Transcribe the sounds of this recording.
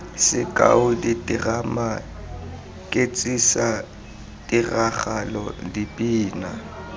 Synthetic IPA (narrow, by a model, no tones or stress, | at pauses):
sɪkʼa̰ʊditʼɪrama | kʼet͡sʼisa | tʼɪraχalɔ̰dipʼiːna